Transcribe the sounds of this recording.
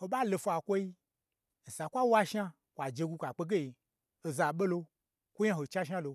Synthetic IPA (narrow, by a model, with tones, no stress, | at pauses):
ho˧ɓa˦˨lo˧fa˨kʷo˦i˦ | n̩˨sa˨kʷa˦wa˦ʃa˦ | kʷa˨d͡ʒe˧ɡʷu˧kʷa˨k͡pe˧ɡe˦i˨ | o˧za˨ɓe˦lo˧ | kʷo˦ɲa˦ɦo˨t͡ʃa˦ʃ̬a˦lo˧